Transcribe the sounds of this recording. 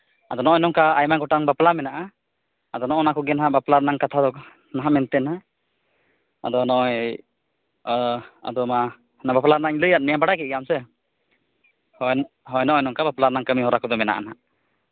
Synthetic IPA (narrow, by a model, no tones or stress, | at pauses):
ad̪ɔnɔʔɔnɔŋkaajmaɡɔʈaŋbaplamɛnaʔa | ad̪ɔnɔʔɔnakɔɡɛnɦaʔbaplaɾnaŋkat̪ʰad̪ɔ | naɦamɛnt̪ɛna | a̰d̪ɔnɔj | a̰d̪ɔma | nabaplaɾnaɲləjat̪̚mijabaɽakɛt̪̚ˀɡamsɛ | h | ɦɔjnɔʔɔjnɔŋkabaplaɾnaŋkəmiɦɔɾakɔd̪ɔmɛna̰ʔa̰na̰